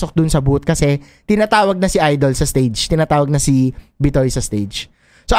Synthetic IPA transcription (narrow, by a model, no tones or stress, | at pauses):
sok̚d̪ʊnsɐbut̪̚kɐsɛ | t̪ɪnaːt̪aːwɐɡ̚nɐsɪʔajd̪olsɐst̪ejd͡ʒt̪ɪnaːt̪aːwɐɡ̚nɐsibɪt̪ojsɐst̪ejd͡ʒ | soʔ